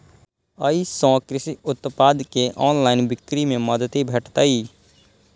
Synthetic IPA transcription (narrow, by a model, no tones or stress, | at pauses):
əisɔ̃ːkɾɪsiʊt̪paːd̪keʔɔːnlaːɪnbɪkɾimẽməd̪ət̪ibʱɛːʈʰt̪aːiː